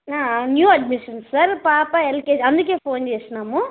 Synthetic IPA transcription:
aːnjuːɐɖ̚miʂɐnsːaɾpaːpaelkeːɐnd̪uk̬ːeːfoːnt͡ʃeːsɐnaːmu

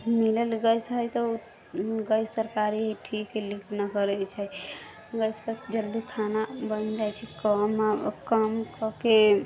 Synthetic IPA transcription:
milelɡəjsɦəjt̪ɔu | ɡəjsːəɾkaɾiɦiʈʰikːelikʰnakəɾɛt͡ʃʰɛ | ɡəjspəd͡ʒəld̪ikʰanabənd͡ʒajt͡ʃʰɛkəmakəmkɔke

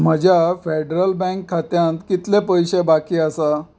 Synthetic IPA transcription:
m̤əd͡ʑʱjafeɖɾəlbɛ̃ŋkʰːat̪jãnt̪kit̪lepəjɕebakiːasa

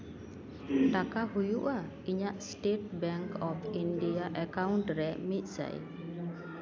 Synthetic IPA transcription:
ʈakaɦujuʔa | iɲaʔsʈeʈ̚bɛŋkɔpʰinɖijaʔɛkawɳʈɾɛmit̪̚ˀsa̰j

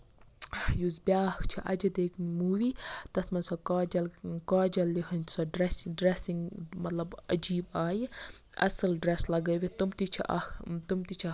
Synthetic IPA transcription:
juzbjaːkt͡ʃʰiʔɐ̰d͡ʒɐd̪eːkʰnmuːʋiːt̪ɐt̪ʰmɐnsɐkɐːd͡ʒɐlkaːd͡ʒɐlːiɦɐnʲt͡ʃ̪ʰsɔɖɾesɖɾesiŋɡmɐt̪lɐbɐd͡ʒiːbaːji | ɐ̰sɐlɖɾeslɐɡɐjʋit̪umt̪it͡ʃʰḭɐ̰t̪umt̪it͡ʃʰɐ

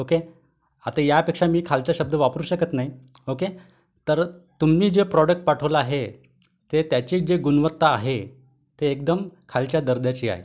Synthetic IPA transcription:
oke | at̪ãjapekʂamiːkʰalt͡ɕaɕəb̚d̪əʋapəɾuɕəkət̪naɦi | oke | t̪əɾt̪umiːd͡ʑepɾɔɖək̚ʈ̚paʈʰəʋlaaɦe | t̪et̪jat͡ɕiːd͡ʑeɡunʋət̪ːaːɦe | t̪eːk̚d̪əmkʰalt͡ɕjad̪əɾd̪jat͡ɕiːa̰ɦḛ

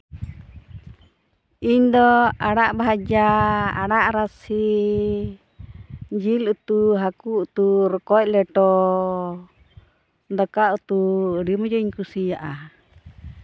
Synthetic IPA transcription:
iɲd̪ɔaɽaʔbaɦad͡ʒaa̰ɽaʔɾasi | d͡ʒilut̪uɦakuut̪uɾɔkɔclɛʈɔ | d̪ɔkaut̪uɖimɔd͡ʒɔiɲkusijaʔa

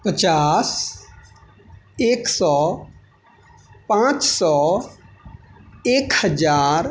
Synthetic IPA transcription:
pət͡ʃaːs | eːksɔː | pãːt͡ʃsɔː | eːkhəd͡ʒaːɾ

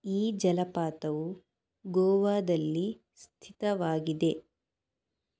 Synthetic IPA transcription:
iːd͡ʒɐlɐpaːt̪ɐʋu | ɡɔːʋaːd̪ɐlːi | st̪ʰit̪ɐʋaːɡid̪e̞

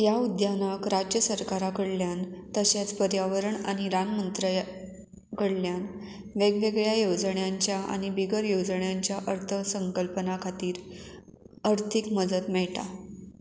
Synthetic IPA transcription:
jaud̪janakɾad͡ʑjəsəɾkaɾakəɽljant̪əɕat͡spəɾjaʋəɾəɳaɽ̃iɾanmənt̪ɾə | kəɽljan | ʋeɡʋeɡɭjajod͡zɳjaɲt͡ɕjaʔa̰ɽ̃ibiɡəɾjod͡zɳjaɲt͡ɕjaʔəɾt̪ʰəsəŋkəlpənakʰat̪iːɾ | əɾt̪ʰikməd͡zət̪mɛɭʈa̰

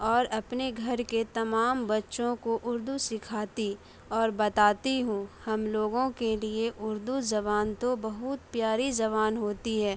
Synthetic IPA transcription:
ɔːɾɐpneɡʱɐɾket̪ɐmaːmbɐtːʃõkoʔʊɾd̪usɪkʰaːt̪i | ɔːɾbɐt̪aːt̪iɦũhɐmloːɡõkelieʔʊɾd̪uzɐβaːnt̪obɐɦʊt̪pjaːɾizɐβaːnɦoːt̪iɦɛː

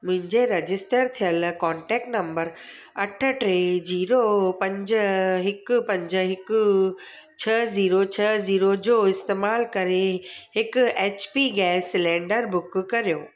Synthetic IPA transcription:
mʊ̃ɦɪ̃ɲd͡ʑeɾɐd͡ʑɪsʈəɾt̪ʰijəlkɔ̃ːɳʈɛːk̚ʈnɐ̃mbəɾ | ɐʈʰə̆ʈɾeːd͡ʑiːɾopɐ̃ɲd͡ʑəɦɪkʊpɐ̃ɲd͡ʑəɦɪkʊ | t͡ɕʰɐziːɾot͡ɕʰɐziːɾod͡ʑoːɪst̪eːmaːlkɐɾehɪkʊeːt͡ɕpiːɡɛːsɪlẽːɳɖəɾbʊkkɐɾijoː

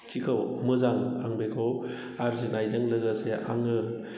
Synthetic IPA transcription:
t͡ʃikʰawmɯzaŋa̰ŋbekʰaw | aɾzinajzaŋlɐɡaseʔaŋɯ

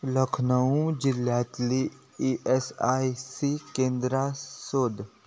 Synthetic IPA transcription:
ləkʰnəũd͡ʒɪlːjaːt̪li | iʔesaːisikẽːnd̪ɾasoːd̪

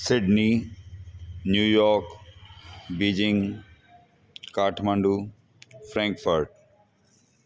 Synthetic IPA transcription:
sɪɖni | njuːjɔːɾk | bid͡ʑɪ̃ŋ | kaːʈʰmãɳɖuː | fɾɛ̃ːŋkfəɾʈ̚

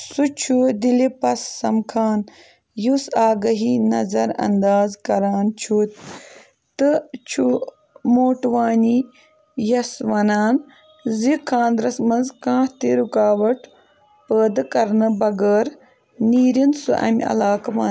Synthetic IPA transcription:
sut͡ʃʰud̪ilipɐsːɐmkʰaːn | jusaːɡɐɦiːnɐzɐɾɐ̰nd̪aːzkɐɾaːnt͡ʃʰuːt̪ | t̪ɨt͡ʃʰu | moːʈʋaːni | jɐsʋɐnaːn | zikʰãːnd̪ɾɐsmɐnzkãːht̪iɾukaːʋɐʈ | pəːd̪kɐɾnɨbɐɡəːɾ | niːɾinsuʔɐ̰mʲɐ̰laːkɐʋaː

